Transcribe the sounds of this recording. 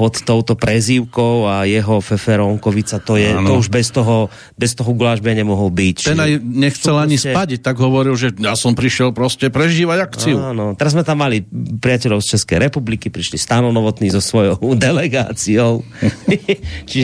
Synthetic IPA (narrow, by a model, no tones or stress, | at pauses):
pɔt̪ːɔʊt̪ɔpɾɛziʊkɔʊajɛɦɔfɛfɛɾɔŋkɔʋit͡sat̪ɔjɛt̪ɔuʒbɛst̪ɔɦɔ | bɛst̪ɔɦɔɡulaʒbɛɲɛmɔɦɔlbict͡ʃ̪ɛnajɲɛxtt͡sɛlaɲisɛaɟic̚t̪aɡɦɔʋɔɾilʒɛjasɔmpɾiʃɪɛlpɾɔscɛpɾɛʒiːʋaɟakt͡siuanɔt̪ɛɾazmɛt̪amːalipɾiɪacɛʎɔʊst͡ʃɛskɛjɾɛpublikipɾiʃlist̪anɔnɔʋɔt̪niːzɔsʋɔjɔʊd̪ɛlɛɡaːt͡siɔʊ | t͡ʃiʒ